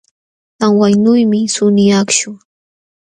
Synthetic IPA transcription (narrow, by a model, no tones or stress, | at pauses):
taŋwajnʊjmɪsʊnɪjakʃʊŋ